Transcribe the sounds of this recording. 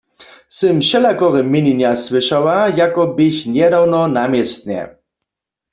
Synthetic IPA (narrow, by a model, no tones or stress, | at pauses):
sɪmʃɛlakɔʁɛmːɪninjaswɪʃawajakɔbɪçnjɛdawnɔnamjɛst̪̚nɛ̰